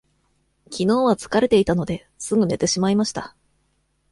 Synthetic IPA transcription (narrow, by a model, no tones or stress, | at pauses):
kʲʰino̞ːβat͡sɨ̥kaɾe̞t̪e̞it̪ano̞d̪e̞ | sɨɡɯ̟ne̞t̪e̞ɕimaimaɕi̥t̪a